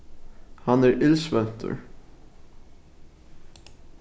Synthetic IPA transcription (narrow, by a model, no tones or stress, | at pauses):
hɑnæːɹʔɪlsʋɛnt̪ʰə̰ɹ